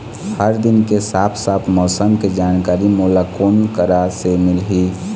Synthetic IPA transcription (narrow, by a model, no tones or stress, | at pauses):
həɾd̪ɪnkesaːpʰsaːpʰmɔːsəmked͡ʒaːnkaːɾimuːlakoːnkəɾasemɪlɦiː